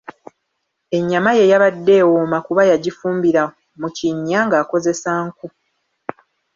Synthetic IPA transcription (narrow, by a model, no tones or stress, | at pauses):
e̞ɲːamaje̞jaβadːe̞ːwomakuβajaɟifuːmbiɾa | muciɲːaŋɡaːko̞ze̞saŋku